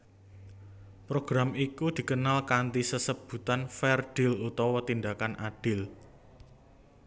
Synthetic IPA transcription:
pɾoɡ̥ɾamikud̪̥i̤kənalkant̪isəsəb̥ṳt̪anfɛrd̥ɪ̤lut̪ɔwɔt̪ind̪akanʔaɖ̥ɪl

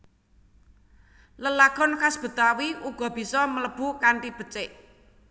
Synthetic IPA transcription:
ləlaɡ̥ɔ̤nkasb̥ə̤t̪awiʔuɡ̥ɔ̤b̥i̤sɔmələb̥ṳkaɳʈib̥ə̤t͡ʃɪʔ

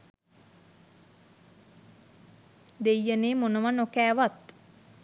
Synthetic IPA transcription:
d̪ejəneːmonəʋanokæːʋat̪

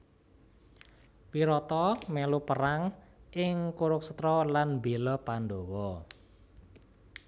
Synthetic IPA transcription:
piɾɔt̪ɔmɛlupəɾaŋʔɪŋkuɾʊk̚sə̥t̪ɾɔlanbelɔpandowɔ

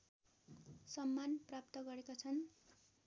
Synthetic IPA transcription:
sʌmːanprap̚t̪ʌɡʌɾekot͡sʰʌn

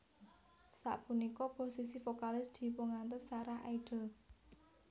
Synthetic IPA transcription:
sa̰ʔpunikɔposisifokalɪsd̪̥i̤pəŋant̪ɔsːaɾaha̰iɖ̥ə̤l

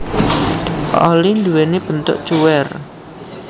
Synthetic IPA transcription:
o̰lind̪uweneb̥ə̤nt̪ʊ̰ʔt͡ʃuwɛr

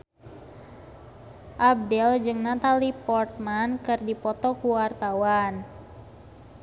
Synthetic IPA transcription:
ʔab̚dɛld͡ʒɨŋnat̪alipɔrt̪̚mankɨrdipɔt̪ɔkuwart̪awan

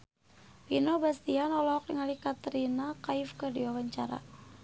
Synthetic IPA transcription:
finobast̪ianɔlɔɔk̚liŋalikat̪əɾinakaɪfkərdiwawaɲt͡ʃaɾa̰

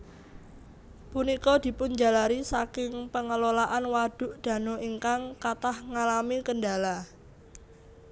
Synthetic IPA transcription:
punikɔd̪̥i̤pʊnd͡ʒa̤laɾisakɪŋpəŋəlolaʔanwad̪̥ʊ̤ʔd̪̥a̤noiŋkaŋkat̪ahŋalamikənɖala

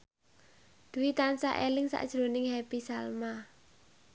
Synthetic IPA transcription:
d̪̥uwit̪ansa̰ʔelɪŋsa̰ʔd̥ʒ̥ɾo̤nɪŋhɛpisalma

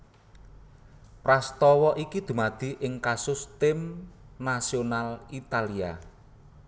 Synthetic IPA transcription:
pɾast̪ɔwɔʔikid̪̥ṳmad̪̥i̤ʔɪŋkasʊst̪ɪmnasionalit̪alia̰

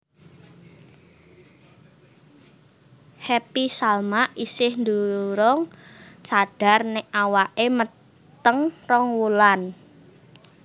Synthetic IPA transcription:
hɛpisalmaʔisɪhnd̪uɾɔŋt͡ʃaɖ̥a̤rnɪʔawaʔemə | t̪əŋrɔŋwulan

